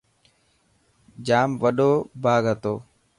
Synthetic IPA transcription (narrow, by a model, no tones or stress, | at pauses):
d͡ʒaːmʋəɗoːbʱaːɡət̪oː